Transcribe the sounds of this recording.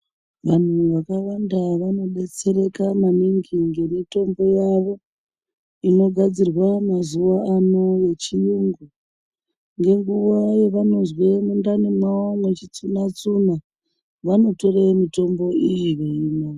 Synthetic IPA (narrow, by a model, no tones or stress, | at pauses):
ʋan̤uʋakaʋandaʋano̞ɗe̞t͡se̞ɾe̞kamaniŋɡiŋɡe̞mito̞mbo̞jaʋo̞ | ino̞ɡʱad͡zirwamazuʋaano̞je̞t͡ʃijuŋɡu | ŋɡe̞ŋɡuʋaje̞ʋano̞zwe̞mundanimwawamwe̞t͡ʃit͡sunat͡suna | ʋano̞to̞remito̞mbo̞ijiʋeino